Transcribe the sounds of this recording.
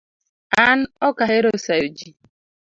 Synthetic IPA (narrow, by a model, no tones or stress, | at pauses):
an̩ɔkaɦeɾosaud͡ʒi